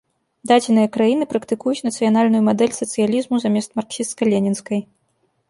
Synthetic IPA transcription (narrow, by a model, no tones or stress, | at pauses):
d̪ad͡zʲɪnɨjɐkɾajinɨpɾɐkt̪ɨkujut͡sʲnɐt̪sɨjanalʲnujumad̪ɛlʲsɐt̪sɨjalʲizmuzamʲɛst̪marksʲist̪kɐlʲenʲɛnskɐj